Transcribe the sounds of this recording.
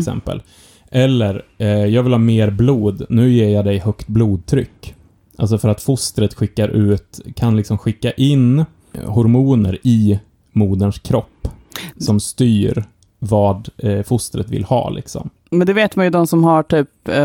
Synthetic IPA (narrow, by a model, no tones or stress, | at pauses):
sɛ̰mpə̰l | ʔɛlːəɾjɑːɡvɪlhɑːmeːɾbluːd̪nʉ̟ːjeːɾjɑd̪ɛjhœkt̪̚bluːd̪̚t̪ʰɾʏ̰kː | ʔals̬ɔfœɾat̪fʊst̪ɾət̪ɧɪkːaɾʔʉ̟ːt̪kʰanlɪksɔmɧɪkːaʔɪn | hɔɾmuːnəɾɪ | muːd̪ənʂkʰɾɔpːsɔmst̪yːɾ | vɑːd̪fʊst̪ɾət̪vɪ̰lhɑ̰ːlɪ̰ksɔ̰m | mɛnd̪ɛveːt̪manjɵd̪ɔmsɔmhaʈʰyːp